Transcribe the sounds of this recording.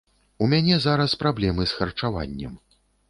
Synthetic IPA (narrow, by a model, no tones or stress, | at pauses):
umʲanʲɛzaɾɐspɾablʲɛmɨsxɐrt͡ʂava̰nʲːɛ̰m